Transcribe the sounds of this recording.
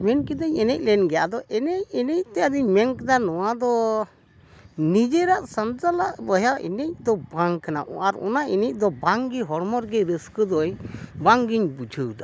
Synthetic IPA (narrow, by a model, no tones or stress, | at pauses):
mɛnkɛd̪əɲɛnɛc̚lɛnɡɛjaʔd̪ɔʔɛnɛcɛnɛc̚t̪ɛad̪iɲmɛŋkd̪anɔwad̪ɔ | nid͡ʒɛɾaʔsant̪alaʔbəɦjawʔɛ̰nɛc̚d̪ɔbaŋkana̰ʔaɾɔ̰naʔinic̚d̪ɔbaŋɡiɦɔɽmɔɾɡɛɾəskəd̪ɔjbaŋɡiɲbud͡ʒʱəwd̪ɔ